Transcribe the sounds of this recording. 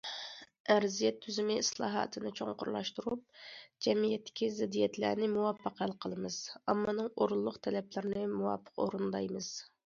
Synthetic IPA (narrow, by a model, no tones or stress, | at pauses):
æɾzijɛt̪ʰːyzɪmɪislˠɑ̰ːɦɑ̰ːt̪ʰɨnɨt͡ʃʰoŋqʰʊɾlˠɑ̰ʃt̪uɾup̚d͡ʒɛmijɛt̪ʰːɪ̥kʲizɪd̪ːijɛt̪læ̰ɾnɪmuwɑpʰːəqælˠqʰəlˠɨmɨz̥ɑmːɑnɨŋoɾulˠːʊqt̪ʰɛlɛplɪɾɪnɪmuwɑ̰pʰːə̥qo̰ɾund̪ɑjmɨz̥